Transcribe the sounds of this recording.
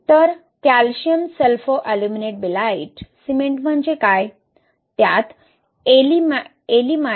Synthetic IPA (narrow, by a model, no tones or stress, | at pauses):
t̪əɾ | kalɕiəmselfoʔalumineʈ̚bilaiʈsimeɳʈm̤əɳd͡ʑekaj | t̪jat̪ | elim | elima